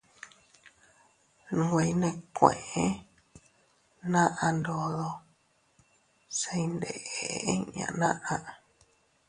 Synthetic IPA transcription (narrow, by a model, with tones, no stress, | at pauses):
nũ˧wʷe˧jnẽ˧kʷḛ̃˨ʔẽ˦ | nã˦ʔã˧nd̪o˨ðo˧ | se˧i˦nd̪e˨ʔɲã̰˧˨nã˦ʔã˧ʔ